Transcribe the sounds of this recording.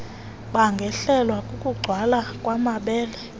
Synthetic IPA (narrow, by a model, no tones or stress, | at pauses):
ɓaŋɡʱɛɬɛlwakʼukʼuɡ͡ǀʱwalakʼwamaɓɛːlɛ